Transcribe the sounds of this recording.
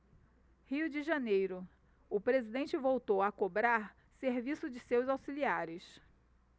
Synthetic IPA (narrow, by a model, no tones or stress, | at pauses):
hiʊd͡ʒɪʒanejɾʊ | ʊpɾezid̪ẽnt͡ʃɪvowt̪owakobɾaɾ | seɾvisʊd͡ʒɪsewzawsiliaɾɪs